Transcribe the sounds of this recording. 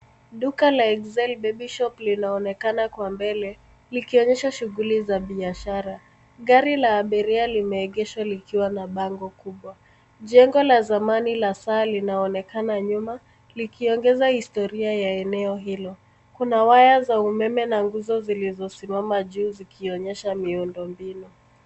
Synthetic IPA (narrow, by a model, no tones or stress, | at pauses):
ɗukalaɛɡzɛlbɛɓiʃɔplinaɔnɛkanakwambɛlɛ | likiɔɲɛʃaʃuɣulizaɓiaʃaɾa | ɣaɾilaːɓɛɾialimɛːɠɛʃwalikiwanaɓaŋɡɔkuɓwa | ʄɛŋɡɔlazamanilasaːlinaɔnɛkanaɲuma | likiɔŋɡɛzahistɔɾiajaɛnɛɔɦilɔ | kunawajazaumɛmɛnaŋɡuzɔzilizɔsimamaʄuːzikʰiɔɲɛʃamiundɔmbinu